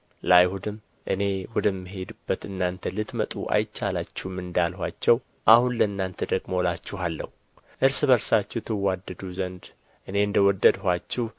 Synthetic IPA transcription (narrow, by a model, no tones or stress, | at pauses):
lajhud̪ɨm | ʔɨne̞wɔd̪ɨmːɨɦe̞d̪ɨbːət̪ɨnːant̪ʰəlɨt̪mət̪ʼṵʔa̰jt͡ʃːalat͡ʃːɪmɨnd̪alhʷat͡ʃːɛw | ʔahunləɨnːant̪ʰəd̪əɡmolat͡ʃːɪhalːə̰hu | ʔɨɾsɨβəɾsat͡ʃːɪt̪ʰɨwad̪ːəd̪uzənd̪ | ʔɨne̞ɨnd̪əwɔd̪ːəd̪hʷat͡ʃːɪh